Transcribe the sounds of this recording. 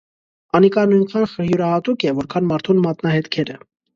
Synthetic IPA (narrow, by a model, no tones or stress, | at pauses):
ɑnikɑnujnkʰɑnχəɾhjuɾɑhɑt̪ukɛvɔɾkʰɑnmɑɾt̪ʰunmɑt̪nɑhɛt̪kʰɛɾə